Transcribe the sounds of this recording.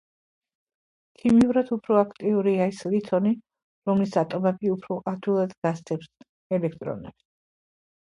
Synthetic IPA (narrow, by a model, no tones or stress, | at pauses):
kʰimiuɾad̪upʰɾɔakʰt̪ʼiuɾiaislit̪ʰɔni | ɾɔmlisat̪ʼɔmɛbiupʰɾɔʔad̪ʰilˠad̪ɡast̪sʰʼɛps | ɛlɛk̚ʰt̪ʼɾɔ̰nɛ̰bs